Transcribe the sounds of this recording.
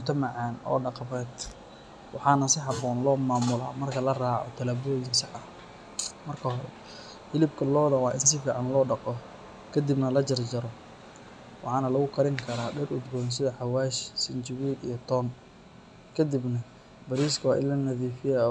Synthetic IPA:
mʊt̪ʰɐmɑʕɑːnɔ̰ːɖɑqmɛːd̪ | wɑ̰ħɑːnɐsɪħɑbɔːnlɔːmaːmʊla̰ːmɐrkʰɐlɐraːʕɔ̰t̪ʰɐlɐbɔːjɪnsɪħɐ | mɐrkʰɐɦɔɾɛ̰ | ħɪlɪbkʰɐlɔːɽɐwaːʔɪnsɪfiːʕɑnlɔːɖɑqɔ | kʰɐd̪ibnɐlɐt͡ʃɐrd͡ʒɐɾɔ | wɑ̰ħɑːnɐlɐɣʊkʰɐɾɪŋkʰɐɾaːɖɛrʔʊd̪bɔːns̬ɪðɐħɑwaːʃsɪnt͡ʃɪwid̪ijɞt̪ʰɔːn | kʰɐd̪ɪbnɐ | bɐɾiːskʰwaːʔɪ̰lːɐnɐðiːfɪja

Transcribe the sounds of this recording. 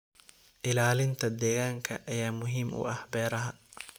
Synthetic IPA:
ʔɪlaːlɪnt̪ʰɐd̪ɛːɣaːŋkʰɐʔɐjaːmʊɦiːmʔʊ̰ɐhbɛːɾɐɦɐ

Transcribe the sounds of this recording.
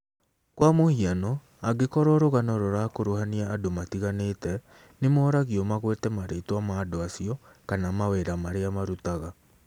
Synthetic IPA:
kwamohianɔ | aɡekɔɾɔɾoɣanɔɾɔɾakoɾohaniaːdomatiɣanetɛ | nemɔːɾaɣiɔmaɣwetɛmaɾetwamaːdoasiɔkanamaweɾamaɾeamaɾutaɣa

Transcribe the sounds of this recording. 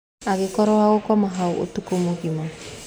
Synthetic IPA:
aɣekɔɾɔwaɣokɔmaɦauʔo̰tukomoɣima

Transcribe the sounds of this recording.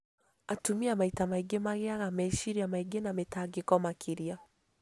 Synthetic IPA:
atumiamaitamaiɡemaɣeaɣamɛʃiɾiamaiɡenametaɡekɔmakʰiɾia

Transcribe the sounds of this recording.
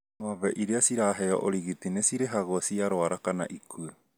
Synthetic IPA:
noaβeʔiɾeasiɾaːɦeo̰ʔoɾiɣitinesiɾeɦaɣosiaɾoaɾakana̰ʔikʰue

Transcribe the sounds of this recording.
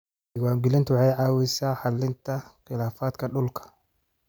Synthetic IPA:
ɪɣwaːmɡɪlɪnt̪wɑħɑjʕɑwɪsaːħɑlɪnt̪ʰɐχɪlaːfaːd̪kʰɐɗʊlkʰɐ̥

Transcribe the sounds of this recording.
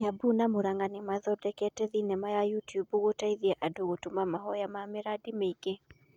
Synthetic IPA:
jabunamoɾaŋɡanɛmaðɔdɛkɛtɛðinɛmajajutjubuɣotaiðiaʔadoɣotumamaɦɔjamamɪɾadimeike

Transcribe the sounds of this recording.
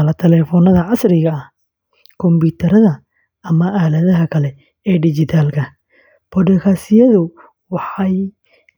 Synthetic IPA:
lɐt̪ʰɛlɛːfɔnɐðɐʕɑsɾɪɣɐɐh | kʰɔmbuːt̪ʰɐɾɐðɐ | ɐmɐʔaːlɐðɐɦɐkʰɐlɛ | ɛːɖɪt͡ʃɪt̪ʰaːlkʰɐ | b̥ɔɖɛkʰaːsɪjɐðʊ | wɑħɑj

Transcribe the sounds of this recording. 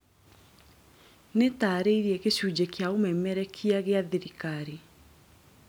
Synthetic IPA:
netaːɾeiɾiɛkeɕud͡ʑekeaomɛmɛɾɛkʰiaɣeaðeɾikaɾi

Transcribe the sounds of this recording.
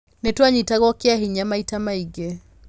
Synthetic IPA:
netwaɲitaɣɔkeaɦiɲamaitamaiɡe

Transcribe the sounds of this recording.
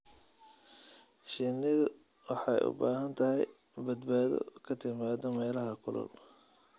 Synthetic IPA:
ʃinɪðɐ | wɑħɑjʔʊ̰baːɦɐnt̪ʰɐɦɛj | bɐd̪baːðɔ̰kʰɐt̪ʰɪmaːðɔmɛːlɐɦɐkʰʊlʊ̰l

